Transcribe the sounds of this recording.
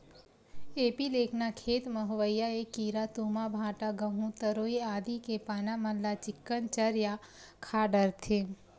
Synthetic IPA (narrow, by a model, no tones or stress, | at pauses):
eːpileːkʰnakʰeːt̪məɦʋəjːaekiːɾat̪uːmabʱãːʈaɡəɦũt̪əɾoːeaːd̪ʱikepaːnaməllat͡ʃɪkːənt͡ʃəɾja | kʰaːɖəɾt̪ʰẽ